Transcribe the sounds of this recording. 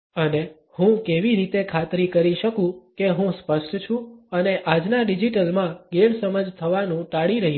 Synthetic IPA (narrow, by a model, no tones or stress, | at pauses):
əne | hũkeʋiɾit̪ekʰat̪ɾikəɾiʃəkũkeɦũspəʃʈʰt͡ʃʰũəneʔad͡ʒnaɖid͡ʒiʈəlmãɡemsəməd͡ʒt̪ʰəʋanũʈaɽiɾəɦi